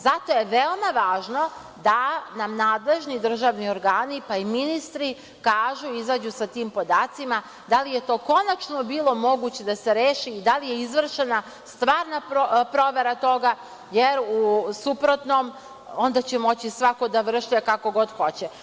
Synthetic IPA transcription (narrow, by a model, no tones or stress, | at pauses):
zat̪o̞jeʋeo̞maʋaːʒno̞ | d̪anamnaːd̪le̞ʒnid̪r̩ʒaʋnio̞ɾɡaːnipaiminist̪ɾi | kaːʒuizaːd͡ʑusat̪iːmpo̞d̪aːt̪sima | d̪alije̞t̪o̞ːko̞nat͡ʃnobiːlˠo̞mo̞ɡuːt͡ɕe̞d̪aseɾeːʃiːd̪alijeizʋr̩ʃena | st̪ʋaːɾnapɾo̞ʋe̞ɾat̪o̞ɡa | jeɾusupɾo̞t̪nom | o̞nd̪at͡ɕemo̞t͡ɕisʋako̞d̪aʋr̩ʃekako̞ɡo̞d̪xot͡ɕe